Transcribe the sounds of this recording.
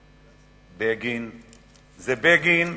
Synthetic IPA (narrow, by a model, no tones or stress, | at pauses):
beɡin | zɛbeɡin